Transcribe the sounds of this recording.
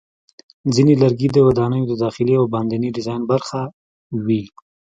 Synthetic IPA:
zinelaɾɡid̪əwad̪ɑnəjod̪əd̪ɑxɪliawbɑnd̪aniɖɪzɑjnbaɾxa | wi

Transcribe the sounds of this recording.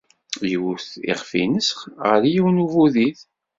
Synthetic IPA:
jəwθḭʁfḭnəsχʁəɾjiwnuvuðiθ

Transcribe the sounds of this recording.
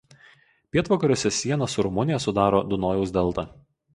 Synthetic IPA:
pʲiɛt̪ʋoːkɐɾʲoːsʲɛsʲiɛnɐsʊɾʊmʊnʲɪjɛsʊd̪ɑːɾoːd̪ʊnoːjɛʊsʲd̪ʲɛlˠt̪ɐ

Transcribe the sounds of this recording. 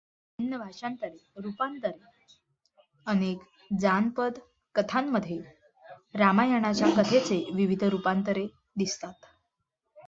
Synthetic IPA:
ənjəbʱaʂant̪əɾeɾupant̪əɾe | ənek | d͡zanpəd̪ | kət̪ʰamːəd̪ʱːje | ɾamajəɽ̃at͡ɕjakət̪ʰet͡seʋiʋid̪ʱɾupant̪əɾe | d̪ist̪at̪

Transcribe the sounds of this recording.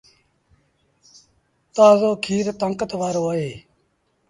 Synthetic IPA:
t̪aːzoːkʰiːɾt̪əŋkət̪ʋaːɾoːəɦeː

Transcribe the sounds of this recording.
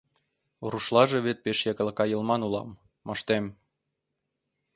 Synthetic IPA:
ruʃlɑʒeβet̪̚peʃjɑkəlkɑjɤ̆lmɑnulɑ̰mː | əʃt̪em

